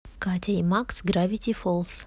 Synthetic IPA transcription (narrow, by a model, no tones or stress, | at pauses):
kat̪ʲaimaksɡɾavʲit̪ʲifolˠs